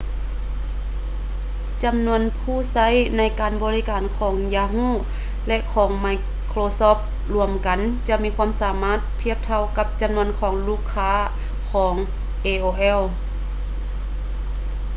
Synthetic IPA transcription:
t͡ɕa˨mnu˧˥ənpʰuː˧˩˨sa˧˥˨jna˧˥˨jkaː˨nbɔː˧liː˦˧˥kaː˨˩nkʰɔː˩˦ŋjaː˧ɦuː˧˥˨ | lɛ˧ʔkʰɔː˩˦ŋma˧˩j | kʰloː˧sɔː˧˥˩f | lu˧əmka˨nt͡ɕa˧miː˧˥kʰuː˧˥ə˨msaː˨˦maː˧˥˨t̪ʰːi˧˩əp̚t̪ʰa˧˨wka˧˥p̚t͡ɕa˧˨mnu˧˥ənkʰɔː˨˦ŋluː˧˥˨kʰːaː˧˥ | kʰɔː˩˦ŋ | ʔeː˧ʔoː˧ʔɛ˧˥˨w

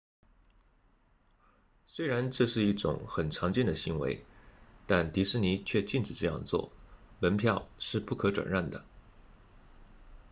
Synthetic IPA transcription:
swe˥ɪɻa˧˥nʈ͡ʂɤ˥˧ʂɻ̩˥˧i˥˩ʈ͡ʂʊ̰˨˩˥ŋxə˨˩nʈ͡ʂʰɑ˧˥ŋt͡ɕɛ˥˩nd̪ə˩ɕi˧˥ŋwḛ˧˥ɪt̪a˥˩nt̪i˧˥ʂɻ̩˥˩ni˧˥t͡ɕʰɥɛ˥˧t͡ɕi˥˩nʈ͡ʂɻ̩˨˩ʈ͡ʂɤ˥˧jɑ̰˥˧ŋt͡swɔ̰˥˩ | mə˧˥npʰjɑ˥˧ʊʂɻ̩˥˧pu˥˩kʰɤ˧˥ʈ͡ʂwa̰˨˩nɻa˥˩nd̪ə̰˩

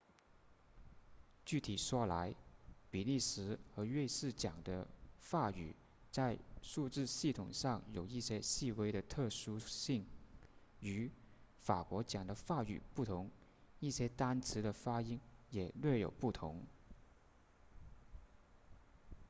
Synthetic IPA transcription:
t͡ɕy˥˩t̪ʰi˨˩ʂwɔ˥la˧˥ɪpi˨˩li˥˩ʂɻ̩˧˥xɤ˧˥ɥe˥˧ɪʂɹ̩˥˩t͡ɕjɑ˨˩ŋd̪ə˦fa˥˩y̰˨˩ | t͡sa˥˧ɪʂu˥˧ʈ͡ʂɻ̩˥˧ɕi˥˩t̪ʰʊ̰˨˩ŋʂɑ˥˩ŋjo˨˩ʊi˥˩ɕjɛ˥ɕi˥˩we˥ɪɾə˨t̪ʰɤ˥˩ʂu˥ɕi˥˩ŋ | y˧˥ | fa̰˨˩kwɔ˧˥t͡ɕjɑ˨˩ŋd̪ə˦fa˥˩y̰˨˩pu˥˩t̪ʰʊ˧˥ŋ | i˥˩ɕjɛ˥t̪a˥nt͡s̩ʰ˧˥d̪ə˧fa˥i˥ŋjɛ˨˩lɥɛ˥˩jo˨˩ʊpu˥˩t̪ʰʊ˧˥ŋ

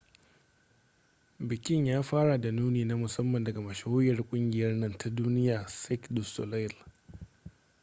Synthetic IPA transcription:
bɪ˨kʲʼɪ˦ɲjaː˦ɸaː˦ɽa˨da˨nuː˦niː˨na˦mʊ˨sɐ˦mːɐ˨ndɐ˨ɡa˨mɐ˨ʃa˨oː˦jɐ˨rkʷʼʊ˦ŋɡʲɪ˨jɐ˦rnɐ˦ntʰa˦duː˦nɪ˦jaː˨sɛ˦kdʊ˨sɔ̰˨la˦˨l

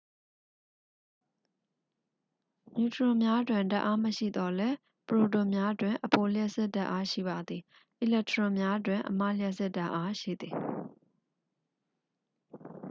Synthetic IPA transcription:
mju˨təɹʊ̃˨mja˦dwɪ̃˨nda̰˦ʔa˦məʃḭ˦˨d̪ɔ˦lɛ˦ | pəɹo˨tõ˨mja˦dwɪ̃˨ʔəpo˨ljɛ˦ʔsɛ˦ʔda̰˦ʔa˦ʃḭ˦˨ba˨d̪ði˨ | ʔi˨lɛ˦ʔtəɹɔ̃˨mja˦dwɪ̃˨ʔəma̰˦˨ljɛ˦ʔsɛ˦ʔda˦ʔa˦ʃḭ˦˨d̪ði˨

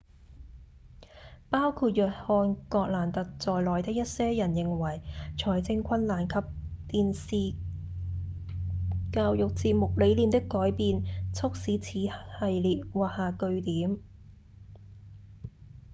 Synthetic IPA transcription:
paː˥wkʰuː˧t̚jœː˨˩t̚hɔː˧nkɔː˧k̚laː˨˩nt̪ɐ˨k̚t͡sɔː˨jlɔː˨˩jt̪ɪ˥k̚jɐ˥t̚sɛː˥jɐ˨˩njɪ˨ŋwɐ˨˩jt͡ʃʰɔː˨˩jt͡sɪ˧ŋkʰɐ˥nlaː˨˩nkʰɐ˨p̚t̪iː˨nsiː˨ | kaː˧wjʊ˨k̚t͡siː˧p̚mʊ˨k̚le˨˥jliː˨˧mt̪ɪ˥kːɔː˨˥jpiː˨˧nt͡sʰʊ˥k̚siː˨˥t͡sʰiː˨˥hɐ˨jliː˨t̚waː˨k̚haː˨kɵ˧ɥt̪iː˨˥m

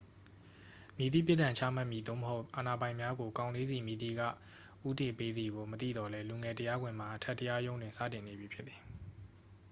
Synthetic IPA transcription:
mji˨t̪ḭ˦˨p̬jɪ˦ʔtːã˨ɲt͡ɕʰa̰˦˨ma˦ʔmji˨d̪o̰˦˨məɦo˦ʊʔʔa˨na˨bã˨ɪ̃mja˦ɡo˨kã˨ʊ̃le˦zi˨mi˨d̪ḭ˦˨ɡä̰˦˨ | ʔu˦te˨pe˦d̪i˨ɡo˨mət̪ḭ˦˨d̪ɔ˨lɛ˦lu˨ŋɛ˨təja˦ɡwɪ̃˨m̥a˨ʔətʰɛ˦tːəja˦jõ˦ʊ̃ndwɪ̃˨nsä̰˦˨tɪ̃˨ne˨bji˨pʰjɪ˦t̪t̪ːi˨

